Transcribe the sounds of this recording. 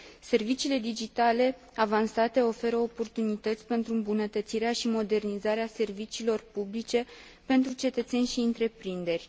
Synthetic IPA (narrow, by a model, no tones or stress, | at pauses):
se̞rvit͡ʃiːle̞d̪id͡ʒit̪ale̞ | avansat̪e̞o̞fe̞ɾəopo̞rt̪unit̪ət̪sʲpe̞nt̪ɾuɨmbunət̪ət̪siɾeaʃimo̞d̪e̞rnizaɾease̞rvit͡ʃiːlo̞rpublit͡ʃe̞ | pe̞nt̪ɾut͡ʃe̞t̪ət̪se̞nʲʃiɨnt̪ɾe̞pɾind̪e̞rʲ